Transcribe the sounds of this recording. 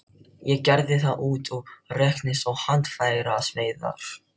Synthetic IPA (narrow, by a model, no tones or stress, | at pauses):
jɛcɛɾðɪθaðʔuːt̪ɔɣrɛhknɪsɔɣhant̪faːjɣɾaːsveːjða̰ɾ̥